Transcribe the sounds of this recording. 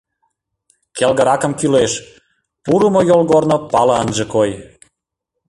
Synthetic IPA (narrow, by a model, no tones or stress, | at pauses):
kelɣəɾɑkə̆mkyleʃ | puɾumojolɣornopɑlɑənʒə̆koj